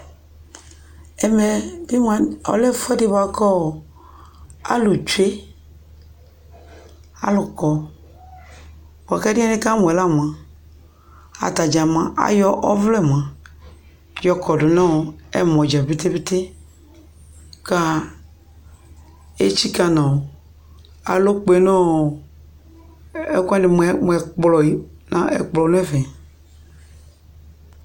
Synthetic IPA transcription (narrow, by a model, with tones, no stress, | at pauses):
ɛ˨mɛ˨di˦m˦a˨ɔ̰˨lɛ˦fɛ˦di˦˨ba˨kɔ˦˨ | a̰˦lu˨t͡ʃu˦e˦ | a̰˦lʊ˨kɔ˨ | bo˨a˨ka˦di˦a˦ne˦ka˦mɔ̃˨ɛ˨la˦˨m˨ã˨ | a̰˨t̪a˨d͡ʒa˨mã˨ʔa̰˦jɔ˦ʔɔ˦vlɛ˦˨mã˨ | jɔ˦kʰɔ˨ɖo˨nã˦˨ɛ̰˦mɔ̃˨d͡ʒa˨bi˦t̪e˦be˦t̪e˦ | ka˦ | e˦t͡ʃi˦ka˦nã˨ | a̰˨lo˦k͡pe˦nɔ̃˦˨ | e˦kde˨m˨˦˨m˨ɛ˨k͡plɔ˨i˨nã˨ḛ˨k͡plɔ˨˦nũ˦ɛ˦vɛ̃˨